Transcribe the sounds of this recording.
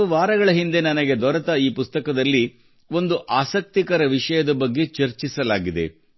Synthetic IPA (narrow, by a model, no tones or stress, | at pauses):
uʋaːɾɐɡɐɭɐɦind̪enɐnɐɡe̞d̪ɔɾɐt̪ɐiːpust̪ɐkɐd̪ɐlːi | o̞nd̪uʔaːsɐk̚t̪ikɐɾɐʋiʂɐjɐd̪ɐbɐɡːe̞t͡ʃɐɾt͡ʃisɐlaːɡid̪e̞̰